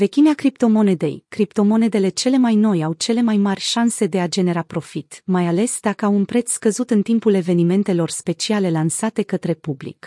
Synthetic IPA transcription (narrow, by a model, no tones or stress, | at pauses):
ve̞kʲineakɾipt̪o̞mo̞ned̪e̞̰jkɾipt̪o̞mo̞ne̞d̪e̞le̞t͡ʃe̞le̞majno̞jawt͡ʃe̞le̞majmarʲʃanse̞d̪e̞ad͡ʒe̞ne̞ɾapɾo̞fit̪majale̞sd̪akəawunpɾe̞t̪sskəzut̪ɨnt̪impule̞ve̞nime̞nt̪e̞lo̞rspe̞t͡ʃiale̞lansat̪e̞kət̪ɾe̞publḭk